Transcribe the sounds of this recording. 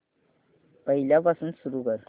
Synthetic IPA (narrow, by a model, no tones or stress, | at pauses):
pəɦiljapasuːnsuɾuɡəɾ